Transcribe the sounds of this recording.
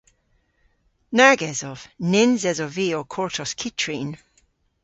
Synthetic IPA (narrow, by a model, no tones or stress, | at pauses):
naɡɛzɔv̥nɪnzɛzɔviːɔkʰɔɹtʰɔskʰitʰɹin